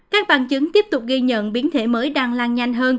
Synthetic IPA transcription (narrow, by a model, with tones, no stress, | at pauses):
kaː˦˥k̚ɓa̰ː˧˨nt͡ɕɨ˨˦ŋt̪i˦˥əp̚t̪ʊ˨˩k͡p̚ɣi˧ɲə̰˧˨nɓi˨˦ənt̪ʰe˧˩məː˨˦jɗaː˧ŋlaː˧ŋɲa˧jŋ̟ɦəː˧n